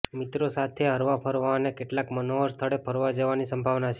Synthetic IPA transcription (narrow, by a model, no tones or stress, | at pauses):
mit̪ɾosat̪ʰeɦəɾʋapʰəɾʋanekeʈlakmənoəɾst̪ʰəɽepʰəɾʋad͡ʒəʋanisəmbʱaʋnat͡ʃʰe